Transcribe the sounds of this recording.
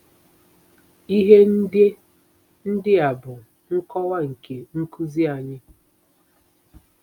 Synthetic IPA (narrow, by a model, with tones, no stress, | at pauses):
i˦ɦe˦n̩˦de˦ | n̩˦dɪ˦a˨bʊ˨ | ŋ̩˦kɔ˦wa˦ŋ̩˨ke˨ŋ̩˦ku˦zi˦a˨ɲɪ˦